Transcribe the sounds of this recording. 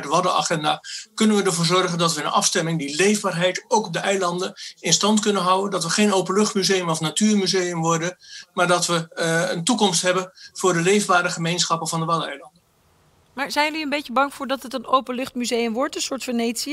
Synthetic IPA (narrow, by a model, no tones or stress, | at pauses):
dəʋɑdəa̰χɛndaːkɵnənʋədəɹvʊːrzɔrχəndɑtʋəənʔɑ̰fstɛmɪŋdilejvbaːrɦɛjtowkɔb̚dəʔɛjlɑndənɪnstɑntkɵnənɦʌwəndɑtʋəχejnowpənlɵχtmyzejəmɔfnatyːrmyzejəmʋɔrdənmaːɹdɑtʋəəntukɔmstɦɛbənv̥ʊːɹdəlejvbaːɾəχəmejnsχɑpənvɑndəʋɑdɛjlɑndə | maːɹzɛjəliəmbejcəbɑŋfʊːɹdɑtətənowpənlɵχtmyzejəmʋɔɹtənsʊːɹtfənejtsi